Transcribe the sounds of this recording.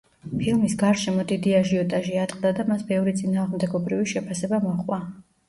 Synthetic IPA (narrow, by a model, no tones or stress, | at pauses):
pʰilˠmisɡaɾʃɛmɔd̪id̪iaʒiɔt̪ʼaʒiat̪ʼqʼd̪ad̪amasbɛvɾit̪sʼinaːʁmd̪ɛɡɔbɾiviʃɛpʰasɛbamɔχʼwa